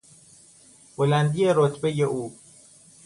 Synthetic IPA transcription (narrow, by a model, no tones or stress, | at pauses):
b̥olænd̪ijeɾot̪ʰbejeʔuː